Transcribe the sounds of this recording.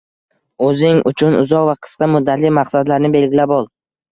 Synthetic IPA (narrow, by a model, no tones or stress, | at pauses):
ɵzɪŋʊ̰t͡ʃʰʊnʊ̰zɒqvaqʰɨ̥sqɑmʊd̪ːat̪lɪmaqsad̪laɾnɪbe̞lʲɡʲilabɒlˠ